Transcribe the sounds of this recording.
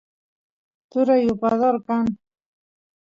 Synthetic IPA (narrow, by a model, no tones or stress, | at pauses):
t̪ʊɾajʊpaðoɾkan